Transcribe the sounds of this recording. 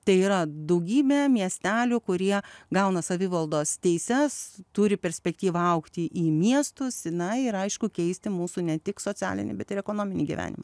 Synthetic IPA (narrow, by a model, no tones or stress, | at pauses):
t̪ɐɪiːɾɐd̪ɐʊɡʲiːbʲeːmʲiɛsʲt̪ʲæːlʲukʊɾʲiɛɡɐʊnɐsɐʋʲɪʋɐlˠd̪oːst̪ʲɛɪsʲɛst̪ʊɾʲɪpʲɛɾʲsʲpʲɛkt̪ʲiːʋɐɐʊkt̪ʲɪʔiːmʲiɛst̪ʊsɪnɐɪɪɾɐɪʃkʊkʲɛɪsʲt̪ʲɪmuːsunʲɛt̪ʲɪksoːt͡ssʲæ̰ːlʲɪ̰nʲɪ̰bʲɛt̪ɪɾɛkonoːmʲɪnʲiɡʲḭʋʲæ̰ːnʲɪ̰mɐ̰